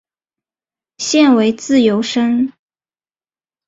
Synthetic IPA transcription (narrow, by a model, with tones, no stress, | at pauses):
ɕjɛ˥˩nwe˧˥ɪt͡sɹ̩˥˩jo˧˥ʊʂə˥ŋ